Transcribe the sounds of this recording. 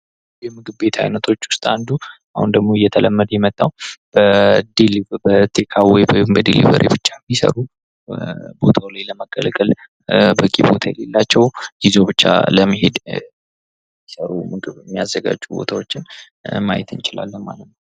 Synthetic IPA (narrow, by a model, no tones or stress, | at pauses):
jjɛmɨɡɨβbe̞t̪ʰa̰jnət̪ʰo̞t͡ʃːwʊ̥st̪ʼand̪u | ahund̪əɡmo̞ɨjːɛt̪ʰələmːəd̪jɛmət̪ʼːawb̥əd̪elibət̪ʰekʰawɔjjmbəd̪elḭvə̰ɾʔḭbɨt͡ʃːajɛmːisə̰ɾu | bo̞̰t̪ʰawlajləməɡə̰lɡəl | bəkʼibo̞t̪ʰajɛle̞lːat͡ʃːɛwjizo̞bɨt͡ʃːa̰ləmːihed̪ | mːisəɾumɨɡɨβmːijazːəɡa̰d͡ʒːubo̞̰t̪ʰawo̞t͡ʃːɪn | majɛt̪ʰɨnt͡ʃɪla̰lːənma̰lːət̪nəw